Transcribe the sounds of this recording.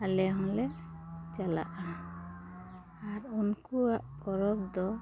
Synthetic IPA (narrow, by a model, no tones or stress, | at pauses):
alɛɦɔ̃lɛt͡ʃala̰ʔa | aɾunkuaʔkɔɾɔbd̪ɔ